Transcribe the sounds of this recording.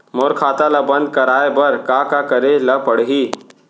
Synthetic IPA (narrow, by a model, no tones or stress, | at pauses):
moːɾkʰaːt̪alabənd̪̚kəɾaːebəɾkakakəɾeləpəɽɦi